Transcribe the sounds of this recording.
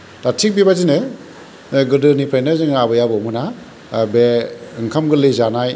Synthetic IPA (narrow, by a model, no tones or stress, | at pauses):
tatʰik̚bibazinɯ | ɡɯdɯnipʰajnɯzɯŋabɯjabɯmɯna | beɯŋkʰamɡɯlɯjzanaj